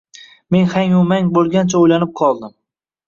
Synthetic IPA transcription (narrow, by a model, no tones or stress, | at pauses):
me̞nhaŋʊmaŋbolˠɡʲant͡ʃʰaojlanɪp̚qʰɒlˠd̪ɪm